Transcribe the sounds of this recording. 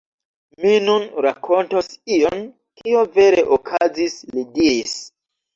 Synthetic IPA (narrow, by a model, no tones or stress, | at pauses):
minunɾakʰo̞ntosio̞n | kiove̞ɾe̞ʔokʰazislidiɾis